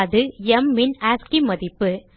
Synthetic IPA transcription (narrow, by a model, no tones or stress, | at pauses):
ðɯɛmːɪnaːskimɐðɪpːɯ